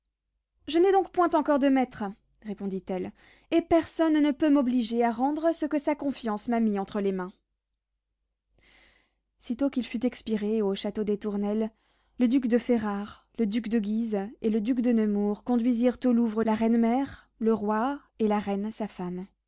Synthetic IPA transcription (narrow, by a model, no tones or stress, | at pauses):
ʒənɛd̪ɔ̃kpwɛ̃t̪ɑ̃kɔʁd̪əmɛt̪χ | ʁepɔ̃d̪it̪ɛl | epɛʁsɔnnəpømɔbliʒeaʁɑ̃d̪ʁəsəkəsakɔ̃fjɑ̃smamiɑ̃t̪χəlemɛ̃ | sit̪okilfyt̪ɛkspiʁeoʃat̪od̪et̪uʁnɛlː | əd̪ykd̪əfeʁaʁ | ləd̪ykd̪əɡʲizeləd̪ykd̪ənəmuʁkɔ̃d̪ɥiziʁt̪oluvʁəlaʁɛnmɛʁ | ləʁwa | elaʁɛnsafam